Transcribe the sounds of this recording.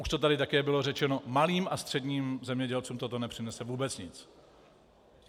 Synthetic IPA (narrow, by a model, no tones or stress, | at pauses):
ʔuʃt̪o̞t̪adɪt̪akɛːbɪlo̞rɛt͡ʃɛno̞maliːmʔast̪r̝̥ɛdɲiːmzɛmɲɛɟɛlt͡suːmt̪o̞t̪o̞nɛpr̥ɪnɛsɛvuːbɛt͡sɲɪt͡s